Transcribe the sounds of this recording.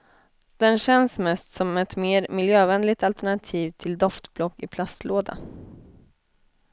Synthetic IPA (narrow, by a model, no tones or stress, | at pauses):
d̪̥ɛnɕɛnsmɛst̪sɔmɛt̪meːɾmɪljøːvɛnlɪt̪alt̪ɛɳat̪ʰiːvt̪ʰɪld̪ɔft̪blɔkːɪpʰlast̪loːd̪a̰